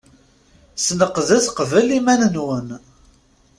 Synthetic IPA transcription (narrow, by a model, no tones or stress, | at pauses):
snəqːðæsqəvəlimænənwən